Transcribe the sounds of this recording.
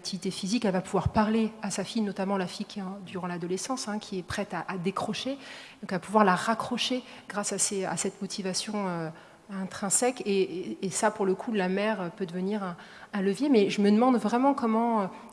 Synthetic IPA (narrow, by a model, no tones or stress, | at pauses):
k̚t̪ʰivit̪efizikɛlvapuvwaʁpaʁleasafijnɔt̪amɑ̃lafijkʲɛɑ̃d̪yʁɑ̃lad̪ɔlesɑ̃sɛ̃kʲʰiɛpχɛt̪aʔad̪ekχɔʃed̪ɔ̃kapuvwaʁlaʁakχɔʃe | ɡ̥ʁasasea̰sɛt̪mɔt̪ʰivasjɔ̃ø | ɛ̃t̪χɛ̃sɛkeːsapuʁləkʰulamɛʁøpød̪əvəniʁɛ̃ | ɛ̃ləvjemɛʒəməd̪əmɑ̃d̪vʁɛmɑ̃kɔmɑ̃ø